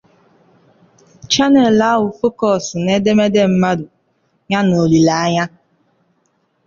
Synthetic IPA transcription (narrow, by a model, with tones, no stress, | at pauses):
t͡ʃa˦ne˨la˦ɦʊ˨fʊ˦kɔ˨sɪ˨ne˦de˦me˦de˦m̩˦ma˦dʊ˨ | ɲa˦no˨li˨la˨a˦ɲa˦